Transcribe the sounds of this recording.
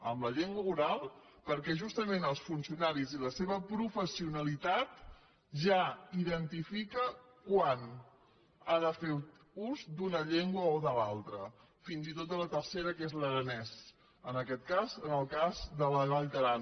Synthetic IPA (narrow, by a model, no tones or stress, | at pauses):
əmləʎeŋɡwəɣuɾalˠ | pəɾkɛʒust̪əmenəlˠsfunsiunaɾiziləseβəpɾufəsiunəlit̪at̪ | ʒaiðənt̪ifikə | kwan | aðəfeɾ | uzd̪unəʎeŋɡwəoðəlalˠt̪ɾə | finzit̪ot̪̚ələt̪ərseɾəkezləɾənɛz | ənəkɛt̪̚kazənəlˠkazd̪ələnaʎt̪əɾan